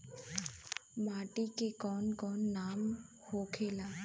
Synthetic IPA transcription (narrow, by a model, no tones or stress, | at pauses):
maːʈikekɔːnkɔːnːaːm | hokʰeːlaː